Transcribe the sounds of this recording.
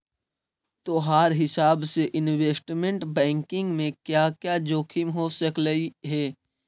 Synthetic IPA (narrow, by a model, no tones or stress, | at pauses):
t̪oːɦaːɾɦɪsaːbseʔɪnweːsʈmẽɳʈbɛ̃ːŋkɪ̃ŋɡmẽkjakjad͡ʒoːkʰimɦoːsɐkləiɦɛː